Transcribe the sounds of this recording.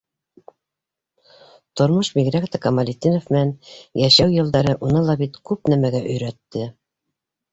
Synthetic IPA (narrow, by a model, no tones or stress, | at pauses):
t̪ŏɾmɤʃbiɡɾækt̪ækɑmɑlʲit̪ʲːinofmɘ̆nænjæʃæwjɤ̆lˠd̪ɑɾɤʔunɤlˠɑbit̪kʉp̚næmæɡæʔɵ̆jɾæt̪ːɘ